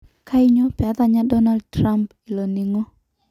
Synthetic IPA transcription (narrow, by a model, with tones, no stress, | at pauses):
kʰa˦i˦ɲɔ˦pa˦t̪a˨ɲa˦dɔ˦na˦ldtɾa˦mp | i˨lɔ˨ni˨ŋɔ˦